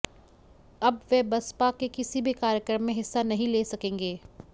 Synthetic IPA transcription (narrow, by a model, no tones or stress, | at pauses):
ɐbʋebɐspakekɪsibʱikaːɾjəkɾəmːẽɦɪsːanɐɦĩleːsɐkẽːŋɡeː